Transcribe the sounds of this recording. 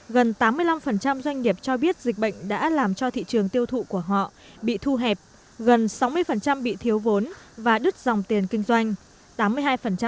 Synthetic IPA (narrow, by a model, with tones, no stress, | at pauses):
ɣə˨˩nt̪aː˨˦mːɨ˧əjla˧mfə˨˩nt͡ɕa˧mzwa˧jŋ̟ŋi˨˩əp̚t͡ɕɔ˧ɓi˦˥ət̚zi˨˩k̟̚ɓə̰˧˨jŋ̟ɗa̰ː˧˥laː˨˩mt͡ɕɔ˧t̪ʰḭ˧˨t͡ɕɨ˨˩əŋt̪i˧əwt̪ʰṵ˧˨ku˧˩əɦɔ̰˧˨ | ɓḭ˧˨t̪ʰu˧ɦɛ˨˩p̚ | ɣə˨˩nsa˨˦wmɨ˧əjfə˨˩nt͡ɕa˧mɓḭ˧˨t̪ʰi˨˦əwvo˨˦nvaː˨˩ɗɨ˦˥k̚za˨˩wŋ͡mt̪i˨˩ənkï˧ŋ̟zwa˧jŋ̟ | t̪aː˨˦mːɨ˧əjɦaː˧jfə˨˩nt͡ɕa˧